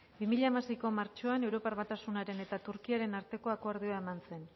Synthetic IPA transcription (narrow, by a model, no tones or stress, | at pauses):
bimiʎaemase̞jko̞maɾt͡ʃo̞ane̞wɾo̞paɾβat̪asunaɾe̞ne̞t̪at̪uɾkiaɾe̞naɾt̪e̞ko̞akoaɾðioae̞manse̞n